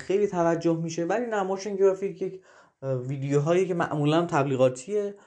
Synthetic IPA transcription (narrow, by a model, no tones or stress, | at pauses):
xejliːt̪ʰævæd͡ʒːohmiːʃe̞væliːnæmɒːʃeŋɡeɾɒfijecʰjecʰ | viːd̪ejoɦɒːjecemæ̰ʔmuːlænt̪ʰæbliːɣɒːt̪ʰije